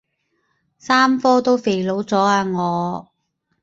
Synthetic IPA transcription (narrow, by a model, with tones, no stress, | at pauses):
saː˥mfɔː˥t̪o˥wfe˨˩jlo˨˥wt͡sɔː˨˥aː˧ŋɔː˨˧